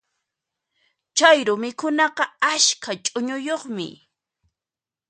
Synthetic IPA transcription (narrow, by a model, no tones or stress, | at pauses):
t͡ʃajɾʊmɪkʊnɑqɑaskʰat͡ʃʼʊɲʊjoχmɪ̰